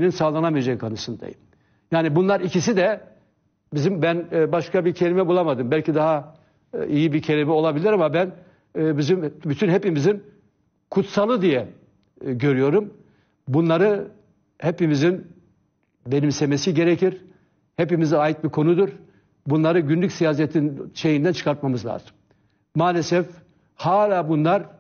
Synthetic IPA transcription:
ninsaːlˠanamijed͡ʒakʰanɯsɯnd̪a̰jɯ̰m | jaːnibunlˠaɾicis̬id̪ɛ | bizimbænbaʃkabiɾcʰe̞lʲimɛbulˠamad̪ɯmbælʲcid̪aɦa | ijibicʰe̞lʲimɛo̞lˠabilʲiɾamabænː | bizimbyt̪ʰynɦe̞pimizin | kʰut̪salˠɯd̪ijɛ | ɟø̞ɾyjo̞ɾum | bunlˠaɾɯ | hepimizin | be̞nimse̞me̞siɟe̞ɾecʰiɾ | hepimizajɯt̪̚biɾkʰo̞nud̪uɾ | bunlˠaɾɯɟynlʲycʲsijaːs̬ɛt̪ʰinʃe̞jind̪ænt͡ʃʰɯ̥kaɾt̪̚mamɯzlʲˠa̰ːzɯm | maːlʲesɛf | haːlʲaːbunlˠaɾ

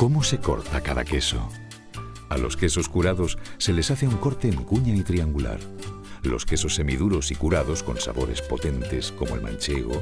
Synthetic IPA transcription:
ko̞mose̞ko̞̰ɾt̪akaða̰ke̞so̰ | alo̞ske̞so̞skuɾaðo̞sːe̞le̞saθeuŋko̞ɾt̪e̞ːŋkuɲait̪ɾiaŋɡula̰ɾ | lo̞̰ske̞so̞sːe̞miðuɾo̞sikuɾaðo̞sko̞̰nsa̰βo̞ɾe̞̰spo̞t̪e̞nt̪e̞sko̞moḛlmã̰nt͡ʃe̞ɣ̞o̞̰

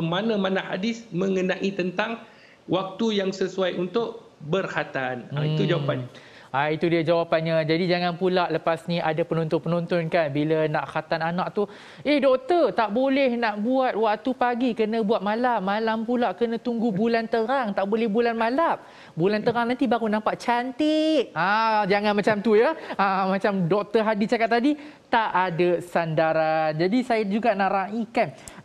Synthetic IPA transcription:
manãmanãhadɪsmə̃ŋənãʔit̪ənt̪aŋ | wak̚t̪ujaŋsəsuajunt̪ʊʔ | bərkat̪anaiit̪ud͡ʒawapan | ait̪udiəd͡ʒawapanɲad͡ʒadid͡ʒaŋanpulaʔləpasniʔadapənõnt̪ɔnpənont̪ɔnkanbilanaʔkat̪ananaʔ̚t̪u | ehdɔk̚t̪ərt̪aʔbolɛhnaʔbuat̪̚waʔt̪upaɡikənə̃buat̪̚mãlamːãlampulaʔkənə̃t̪uŋɡubulant̪əɾaŋt̪aʔbolɛhbulanmalam̚ | bulant̪əɾaŋnant̪ibaɣunãmpaʔt͡ʃant̪ɪʔ̚ad͡ʒaŋanmat͡ʃamt̪ujəəmãt͡ʃamdɔk̚t̪əɦadit͡ʃakat̪ːadi | t̪aʔadasandaɾand͡ʒadisajad͡ʒuɡanaʔɾaʔikan

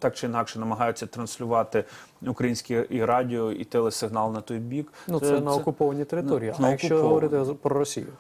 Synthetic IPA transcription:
t̪ɑkt͡ʃɪinɑkʃɛnɐmɐɦɑjʊt͡sʲːɐt̪ɾɐnsʲlʲʊʋɑt̪ɪ | ʊkɾɐjinʲsʲkʲiiɾɑdʲiɔit̪ɛlˠɛsɪɦnɑlˠnɐt̪ɔjbʲiknusɛnɐɔkʊpɔʋɐnʲit̪eɾɪɔɾʲiiːɐnɐɐkt͡ʃɔɦɔʋɔɾɪt̪ɪpɾɔɾɔsʲḭjʊ

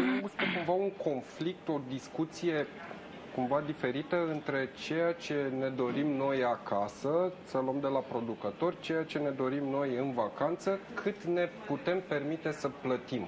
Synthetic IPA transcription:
bustəkumvauŋko̞nflik̚t̪o̞d̪iskut̪sije̞ | kumvad̪ife̞ɾit̪əɨnt̪ɾe̞t͡ʃe̞jat͡ʃe̞ne̞d̪o̞ɾimno̞jakasəsəluəmd̪e̞lapɾo̞d̪ukət̪o̞rʲt͡ʃe̞jat͡ʃe̞ne̞d̪o̞ɾimno̞jɨnvakant̪səkʰɨt̪ne̞put̪e̞mpe̞rmit̪e̞səplət̪im

